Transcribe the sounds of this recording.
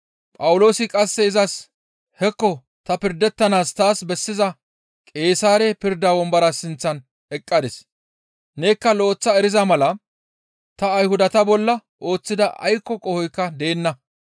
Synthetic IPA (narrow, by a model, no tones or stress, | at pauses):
pʼɐwʊlo̞ːsɪkʼɐsːɛɪzɐs | hɛkːɔ | t̪ɐpɪɾd̪ɛt̪ːɐnaːst̪aːsbɛsːɪzɐ | kʼe̞ːsaːɾɛpɪɾd̪aːwɔmbɐɾɐsɪnt͡sːɐn | ɛkʼːɐd̪ɪs | ne̞ːkːɐlo̞ːt͡sːɐɛɾɪzɐmɐlɐ | t̪ɐːjhʊd̪ɐt̪ɐbɔlːɐʔo̞ːt͡sːɪd̪ɐʔɐ̰jkːɔkʼɔhɔjkːɐd̪e̞ːnːɐ